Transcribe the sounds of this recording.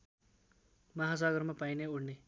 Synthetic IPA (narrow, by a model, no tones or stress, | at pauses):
mʌɦasaɡʌrmapajneuɽne